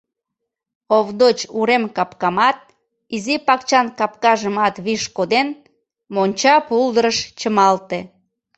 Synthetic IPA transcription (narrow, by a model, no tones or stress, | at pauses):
oβd̪ot͡ɕuɾemkɑpkɑmɑt̪̚ | izipɑkt͡ɕɑnkɑp̚kɑʒəmɑt̪βiʃkod̪en | monʲt͡ɕɑpuld̪əɾəʃt͡ɕəmɑlt̪e